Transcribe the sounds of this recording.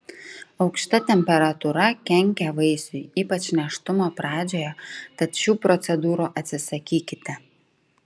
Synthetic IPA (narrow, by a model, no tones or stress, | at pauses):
ɒʊkʃt̪ɐt̪ʲɛmʲpʲɛɾɐt̪ʊɾɐkʲɛŋʲkʲɛʋɐɪsʊjiːpɐt͡ʃʲnʲɛʃt̪ʊmoːpɾɑːd͡ʒʲoːjɛt̪ɐt̪ʃʲuːpɾɔt̪sʲɛd̪uːɾuːʔɐt̪ʲsʲɪsɐkʲiːkʲɪt̪ʲɛ